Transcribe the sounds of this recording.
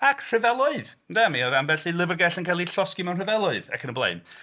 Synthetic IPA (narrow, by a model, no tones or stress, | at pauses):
akʰr̥ɨvɛlˠʊɨð | dɛmiɔðanbɛɬilˠɪvərɡɛɬənkʰɛlˠiɬɔskimɛwnrəvɛlˠʊɨðɛ̰kʰənəblˠḛjn